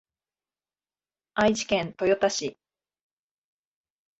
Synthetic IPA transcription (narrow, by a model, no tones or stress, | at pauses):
aid͡ʑi̥kẽnt̪o̞jot̪aɕi